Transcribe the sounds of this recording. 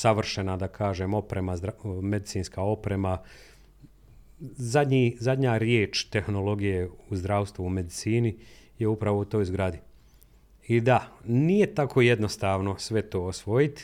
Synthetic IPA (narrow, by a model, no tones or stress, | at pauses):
saʋr̩ʃenad̪akʰaːʒeːmo̞pɾe̞mazd̪ɾamed̪itsiːnskaːo̞pɾe̞ma | zad̪ɲiːzad̪ʲɲaːɾjeːt͡ʃt̪e̞xno̞lˠo̞ɡijeuzd̪ɾaːwst̪ʋuume̞d̪it̪siːnije̞upɾaʋout̪o̞ːjzɡɾad̪i | id̪anije̞t̪akʰo̞ːjed̪no̞st̪aːʋno̞sʋe̞t̪o̞ːosʋo̞jit̪